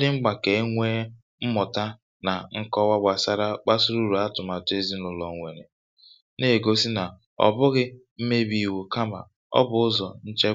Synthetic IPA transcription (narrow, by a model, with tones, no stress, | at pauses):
dɪ˦ŋ͡m̩˦ɡ͡ba˨ke˨˦ŋʷe˦ | m̩˦mɔ˨ta˦ | na˨ŋ̩˦kɔ˦wa˦ɡ͡ba˨sa˦ɾa˦k͡pa˦su˦ɾu˦˨ɾu˨a˦tʊ˨ma˨tʊ˦e˦zi˦nʊ˨lɔ˨ŋʷe˨nḛ˨ | ne˦˨ɡo˦si˦na˨ | ɔ̰˨bʊ˦ɣɪ˦ | m̩˦me˦bi˨wu˨ka˦ma̰˨ | ɔ̰˦bʊ˨ʊ˦zɔ˨n̩˦t͡ʃe˦